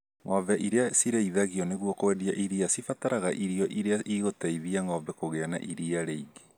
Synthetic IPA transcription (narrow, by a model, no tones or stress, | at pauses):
ŋɔvɛʔiɾeasiɾeiðaɣiɔneɣwɔkowɛdiaʔiɾiasifataɾaɣaʔiɾiɔʔiɾeaʔiɣotaiðiaŋɔβɛkoɣeana̰ʔiɾiaɾeiɡe̥